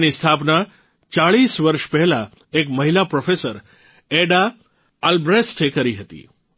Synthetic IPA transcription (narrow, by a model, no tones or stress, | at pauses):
nist̪ʰapna | t͡ʃaɭisʋəɾʃpɛɦɛla | ekməɦilapɾofesəɾ | eɖaː | lbɾesʈekəɾiɦət̪ḭ